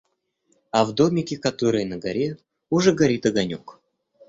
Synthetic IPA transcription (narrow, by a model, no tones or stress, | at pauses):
ɐvd̪omʲɪkʲɪkɐt̪oɾɨjənəɡɐɾʲe̞ | ʊʐɛɡɐɾʲit̪ɐɡɐnʲok